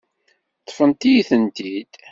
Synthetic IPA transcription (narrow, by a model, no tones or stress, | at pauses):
t̪ˤːfənt̪ijiθənt̪id̪̥